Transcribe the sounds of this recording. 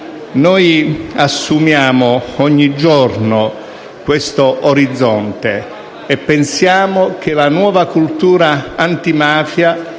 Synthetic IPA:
nɔjasːumjaːmoɔɲːid͡ʒɔrno | kwest̪oʔoɾid̪zːɔnt̪e | epːensjaːmok̟elanwɔːvakult̪uːɾaːnt̪imaːfja

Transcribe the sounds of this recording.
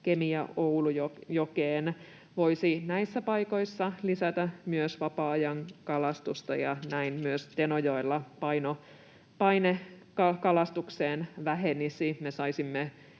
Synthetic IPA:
kemiɑowlujojokeːn | ʋoisinæisːæpɑiko̞isːɑlisæt̪æmyøsʋɑpɑːjɑŋkɑlɑst̪ust̪ɑjɑnæinmyøst̪enojoilːɑpɑino | pɑine | kɑkɑlɑst̪ukseːnʋæɦenisimesɑisimːe

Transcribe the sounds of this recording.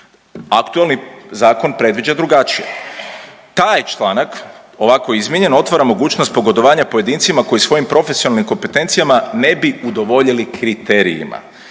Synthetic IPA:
akt̪uelnizaːko̞npɾe̞d̪ʋid͡ʑad̪ɾuɡat͡ʃije̞̰ | t̪aːjt͡ʃlˠaːnak | o̞ʋako̞jizmʲjeɲe̞no̞t̪ʋaɾamo̞ɡuːt͡ɕnost̪̚po̞ɡo̞d̪o̞ʋaːɲapo̞je̞d̪iːnt̪simako̞jisʋo̞jimpɾo̞fe̞sionalnimko̞mpe̞t̪e̞nt̪sijamane̞biud̪o̞ʋo̞ʎilikɾit̪e̞ɾḭjḭma̰

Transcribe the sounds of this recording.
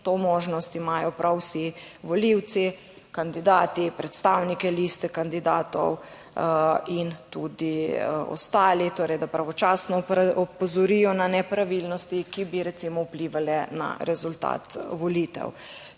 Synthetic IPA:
t̪omoːʒnɔst̪imaːjɔpɾʔawsiʋɔliwt̪si | kand̪id̪aːt̪ipɾɛt̪st̪aːwnikɛlist̪ɛkand̪id̪aːt̪ɔ̰w | int̪ud̪iɔ̰st̪aːlit̪oːɾɛjd̪apɾaʋɔt͡ʃasnɔɔpɔzɔɾijɔnanɛpɾaʋilnɔst̪ikibiɾɛt̪simɔupliːʋalɛna̰ɾɛzult̪a̰ːt̪ʋɔlit̪ɛ̰w

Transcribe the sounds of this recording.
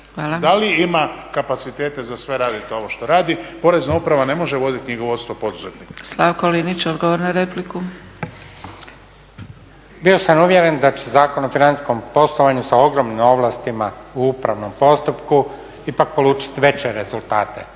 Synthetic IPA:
ʋaːlˠad̪aliimakapat̪sit̪eːt̪e̞zasʋe̞ɾaːd̪it̪o̞ʋoʃt̪oɾaːd̪ipo̞ɾe̞znaupɾaʋane̞mo̞ʒeʋo̞d̪it̪iɲiɡoʋot̪st̪ʋopo̞d̪uzet̪nikslˠaʋkolinit͡ɕod̪ɡoʋoɾnaɾepliku | bio̞samuʋje̞ɾe̞nd̪at͡ɕe̞zaːko̞nofinani̥sko̞mpo̞slˠo̞ʋaɲusao̞ɡɾomnimo̞ʋlˠast̪imauupɾaʋno̞mpo̞st̪upku | ipak̚po̞luːt͡ʃi̥t̪ʋe̞t͡ɕe̞ɾezulˠt̪aːt̪e̞̰

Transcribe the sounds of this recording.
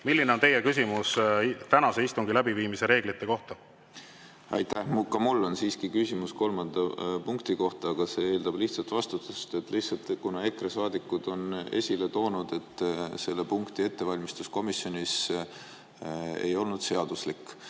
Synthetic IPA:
milːineo̞nt̪e̞jekys̬ʲimust̪ænɑseist̪uŋɡ̥ilæbiviːmise̞ɾe̞ːɡ̥lit̪ːe̞ko̞ht̪ɑ | ɑ̰jt̪ːæhmkɑmulːo̞nsiːskikysʲimusko̞lmɑnd̪̥ɑpuŋkt̪iko̞ht̪ɑːɡ̥ɑse̞eːld̪̥ɑb̥liht̪sɑlt̪vɑst̪ut̪ːˑust̪e̞t̪ːˑliht̪sɑlt̪ˑkunɑe̞kresɑːd̪ikːˑud̪̥o̞ne̞̰sʲile̞t̪o̞ːnud̪̥e̞t̪ːˑse̞lːe̞puŋkt̪ie̞t̪ːe̞vɑlʲmist̪usko̞misːjo̞nis | e̞̰jo̞lnud̪̥se̞ɑd̪̥uslikːˑ

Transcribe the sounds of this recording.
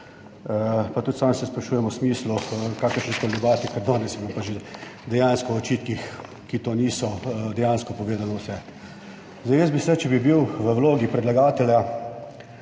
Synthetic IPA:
əpat̪ut̪saːmsɛspɾaʃuːjɛmɔsmiːslukaːkəɾʃnɛkolʲd̪ɛbaːt̪ikɛɾd̪ɔːnɛsjbɔpaʒed̪ɛjaːnskɔɔt͡ʃiːt̪kix | kit̪oːniːsɔd̪ɛjanskɔpɔʋeːd̪anɔwsɛ | zd̪ajəsbisɛt͡ʃɛbibiwʋəwloːɡipɾɛd̪laɡaːt̪ɛlja

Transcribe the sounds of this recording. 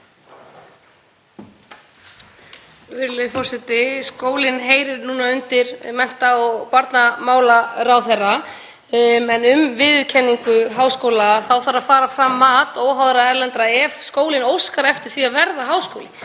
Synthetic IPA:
vɪɾlɪfɔr̥sɛt̪ɪskoːwlɪnɦeːjɾɪɾnuːnaʏnt̪ɪɾmɛn̥t̪aɔɣpaɾt̪namaːwlarawθɛrːa | ɛnʏmvɪðʏcʰɛnːiŋkʏɦaːwskowlaθawθaɾafaːɾafɾamːaːt̪ɔːwɦawðɾaɛɾlɛnt̪ɾaɛvskoːwlɪnowskaɾɛft̪ɪɾ̥θviavɛɾðaɦaːwskowlɪ

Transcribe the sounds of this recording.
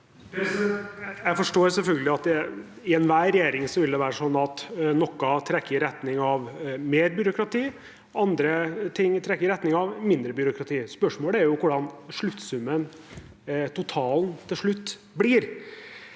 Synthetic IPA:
jæɪfɔʂʈoːɾsɛlfœlɡəlɪɑt̪d̪ɛ | ɪɛnʋæːɾɛjeːɾɪŋsɔʋɪld̪ɛʋæːɾəʂɔnːɑt̪nɔkːɑt̪ʰɾɛkːəɾɪɾɛt̪nɪŋɑʋmeːɾbjʏɾʊkɾɑt̪ʰiː | ɑnd̪ɾət̪ʰɪŋːt̪ʰɾɛkːəɾɪɾɛt̪nɪŋɑʋmɪnd̪ɾəbjʏɾʊkɾɑt̪ʰiːspœʂmoːləæɾjʊkʊɖɑnʂɭʉt̪ːsʉmːən | t̪ʰʊt̪ʰɑːlnt̪ʰɪlʂɭʉt̪ː | bliːɾ

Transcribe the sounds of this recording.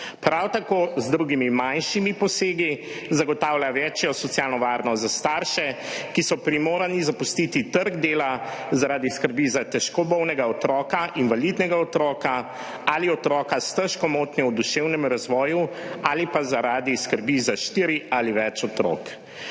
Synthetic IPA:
pɾawt̪akoːzd̪ɾuɡimimanʃimipɔseːɡi | zaɡɔt̪aːwljaʋɛt͡ʃjɔsɔt̪sjalnɔʋaːɾnɔst̪zast̪aɾʃɛkisɔpɾimoːɾanizapust̪it̪it̪əɾɡd̪eːlazaɾaːd̪iskəɾbizat̪ɛʃkɔbɔwnɛɡaɔt̪ɾɔːkaʔinʋalid̪nɛɡaɔt̪ɾɔːka | aliɔt̪ɾɔːkast̪əʃkɔmoːt̪nɛwd̪uʃewnɛmɾazʋɔːjuaːlipazaɾaːd̪iskəɾbizaʃt̪iːɾialiʋɛt͡ʃɔt̪ɾɔ̰ːk

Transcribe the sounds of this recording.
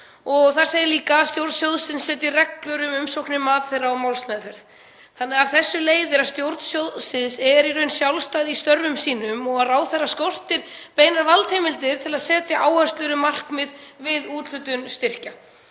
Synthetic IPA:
ɔɣθaɾ̥seːjɪliːkaːst̪jowɾt̪sjoːwðsɪnsːɛːt̪ɪrɛklʏɾʏmʏmsowknɪmaːt̪θejrːaɔmawlsmɛðfɛɾð | θanːɛːɣavθɛsːʏleːjðɪɾast̪jowɾt̪n̥sjowðsɪnsɛɾirœɥnsjawlst̪ajðist̪œɾvʏmsiːnʏmɔɣaðraːwθɛrːaskor̥t̪ɪɾ̥ | peːjnaɾvalt̪hejmɪlt̪ɪɾ̥t̪ʰɪlaðsɛːt̪jaʔaːwhœ̥st̪lʏɾʏmar̥kmɪðvɪðuːt̪l̥ʏt̪ʏnst̪ɪr̥ca

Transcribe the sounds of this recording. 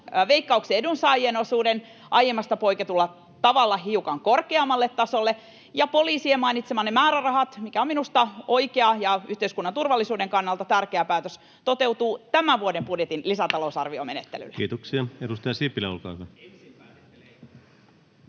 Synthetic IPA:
ʋeikːɑukseedunsɑːjienosuːden | ʔɑjemːɑst̪ɑpoiket̪ulːɑ | t̪ɑʋɑlːɑɦiukɑŋkorkeɑmːɑlːet̪ːɑsolːe | jɑpoliːsiemɑinit̪semɑːnemæːɾærɑhɑt̪mikæominust̪ɑoikeɑjɑyht̪eiskunːɑnt̪urʋɑlːisuːdeŋkɑnːɑlt̪ɑt̪ærkeæpæːt̪øs | t̪ot̪e̞wt̪uːt̪æmæʋuodemb̥udjet̪inlisæt̪ɑlousɑ̰rʋiomenet̪ːḛly̰lːe̥iːt̪oksiɑedust̪ɑjɑsipːileolkɑ̰ːhyʋæ

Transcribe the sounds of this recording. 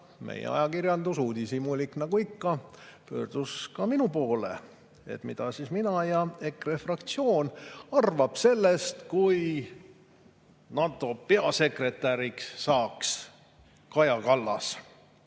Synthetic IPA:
mʔḛjḛɑ̰jɑkirjɑnd̪usuːd̪isimulʲiknɑɡ̥uikːɑpø̞̰ːrd̪̥uskɑminupo̞ːlḛ | e̞̰t̪mid̪̥ɑsisminɑjɑe̞krefrɑkt̪sio̞ːnɑrvɑb̥se̞lːe̞st̪kuj | nɑt̪ːˑo̞pe̞ɑse̞kre̞t̪ːˑæɾiksːɑːks | kɑjɑkɑlːɑ̰s

